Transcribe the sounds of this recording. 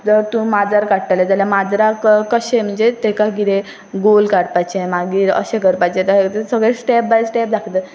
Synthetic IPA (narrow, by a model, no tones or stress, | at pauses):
t̪əɾt̪ũmad͡zaɾkaɽʈaled͡zaljamad͡zɾakkəɕẽm̤əɳd͡zet̪ekaɡiɾe | ɡolkaɽpajt͡ɕemaɡiːɾə̰ɕẽkəɾpajt͡ɕẽt̪ət̪esəɡɭẽsʈɛp̚bajsʈɛp̚d̪akʰt̪ə